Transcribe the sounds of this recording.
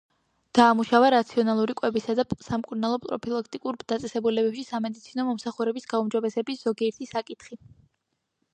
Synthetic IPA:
d̪̥aːmuʃavaɾat̪sʰiɔnalˠuɾikʼwɛbisad̪asamkʼuɾnalˠɔpʼɾɔ̰pʰilˠakʰt̪ʼikʼuɾd̪at̪sʼɛsɛbulɛbɛpʃisamɛd̪it̪sʰinɔmɔmsaχuɾɛbisɡaumd͡ʒɔbɛsɛbisz̥ɔɡiɛɾt̪ʰisakʼit̪ʰχi

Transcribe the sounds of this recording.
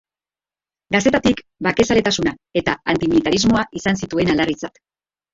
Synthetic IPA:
ɡaset̪at̪ik | bake̞sale̞t̪asunae̞t̪aant̪imilit̪aɾizmo̞aʔisansit̪ue̞nalarit͡sat̪

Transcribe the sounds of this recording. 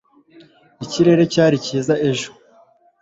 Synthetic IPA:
iciɾe̞ɾe̞caːɾiciːzaʔe̞ʒo̥

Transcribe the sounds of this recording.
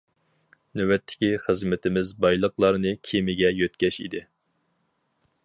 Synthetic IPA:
nøwɛt̪ʰːɪ̥kʲiχəzmɪt̪ʰɪmɪzbɑjlˠəqlˠɑɾnɨkʲʰimɪɡʲɛjøt̪kʲɛʃḭd̪ɪ

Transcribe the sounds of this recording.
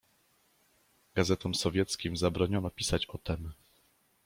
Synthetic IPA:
ɡazɛt̪ɔmsɔvʲjɛt̪skʲimzabɾɔɲɔnɔpʲisat͡ɕɔt̪ɛm

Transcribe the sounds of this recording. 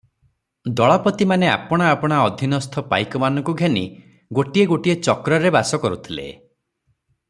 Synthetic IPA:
d̪ɔɭɔpɔt̪imanea̰pɔɽ̃aːpɔɽ̃aɔd̪ʱinɔst̪ʰɔpa̰jkɔmanɔ̃ŋkuɡʱenḭ | ɡoʈieɡoʈiet͡ʃɔkɾɔɾebasɔkɔɾut̪ʰilḛ

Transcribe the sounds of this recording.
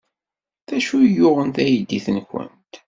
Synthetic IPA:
θæʃujʊʁənt̪æjd̪ːiθənçə̰nt̪

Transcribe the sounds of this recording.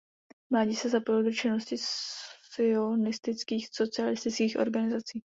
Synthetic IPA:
mlaːɟiːsɛzapojldot͡ʃɪno̞scɪs | ɪonɪst̪ɪt͡skiːxso̞t͡sɪalɪst̪ɪt͡skiːxʔo̞̰ɾɡanɪzat͡siː

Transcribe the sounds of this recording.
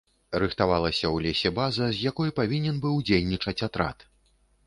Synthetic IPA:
ɾɨxt̪avalˠɐsʲɐwlʲesʲɛbazɐzʲjakɔjpavʲinʲɛnbɨwd͡zʲelʲnʲit͡ʂɐt͡sʲat̪ɾa̰t̪

